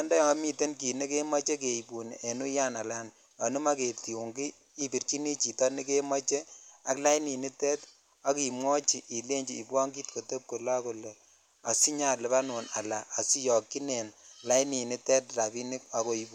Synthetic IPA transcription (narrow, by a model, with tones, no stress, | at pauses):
a˦ndɔ˦jmi˨te˦nki˨ne˦ke˦ma˦t͡ʃe˦ke˨i˨pu˨n˨ʔe˨nu˦ja˦na˨la˦n | a˨nu˦ma˦ke˨ti˨u˨ŋɡiː˦ | bi˨rt͡ʃi˦ni˦t͡ʃi˨tɔ˦ni˦ke˦ma˦t͡ʃe˦a˦kla˦i˦ni˨ni˦tɛ˦t | a˦ki˨mwɔ˦t͡ʃi˨ʔi˨le˦ɲd͡ʒi˨i˨bwɔ˦ŋɡi˦tko˨to˦p̚ko˨la˦ko˨le˨ | a˨si˦ɲa˦˨le˨pa˦nu˨na˨la˨ʔa˨si˦jɔ˨kːi˦ne˨nla˦i˦ni˨ni˦tɛ˦tra˨bi˦ni˦ka˨ko˨i˨bu˨